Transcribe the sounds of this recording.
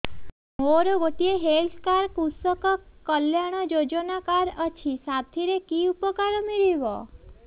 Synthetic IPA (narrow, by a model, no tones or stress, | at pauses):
moɾoɡoʈieɦelskaɾkusəkɔkːəljaɽ̃ɔd͡ʒod͡ʒənakaɾət͡ʃʰisat̪ʰiɾekiupəkaɾomiɭiʋo̰